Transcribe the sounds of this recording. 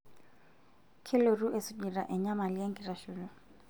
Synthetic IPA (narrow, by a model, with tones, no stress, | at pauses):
kʰɪ˦lo˨ru˦ʔesʊ˦ɲi˨ra̰˨ʔɛ˨ɲa˦ma˨li˦e˦ŋ˦kʼi˨ra˨ʃuːlɔ˨